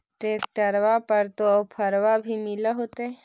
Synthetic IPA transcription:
ʈeːk̚ʈəɾʋapəɾt̪oɔpʰəɾʋabʱimɪlaɦoːt̪eɛ

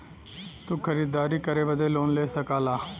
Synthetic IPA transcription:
t̪uːkʰəɾiːd̪aːɾiːkəɾeːʋəd̪eːloːnleːsəkaːlaː

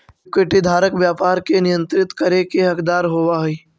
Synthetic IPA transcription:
keʈid̪ʱaːɾəkʋjaːpaːɾkenɪjə̃nt̪ɾɪt̪kəɾekeɦɐkd̪aːɾɦoːʋaɦʊi

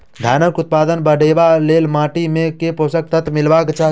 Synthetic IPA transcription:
d̪ʱanəkut̪̚pad̪ənbəɖʱebalelmaʈimekeposək̚t̪ət̪milbakt͡ʃa

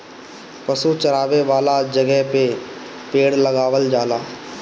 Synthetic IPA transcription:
pɐsut͡ʃɐɾaːʋeʋaːlad͡ʒɐɡɛɦpe | peːɽlɐɡaːʋəld͡ʒaːlaː

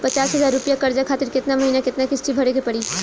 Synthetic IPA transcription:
pɐt͡ʃaːsɦɐzaːɾɾʊpjakɐɾd͡ʒakʰaːt̪ɪɾkɪt̪namɐɦiːnakɪt̪nakɪsʈibʱɐɽeɡepɐɽiː

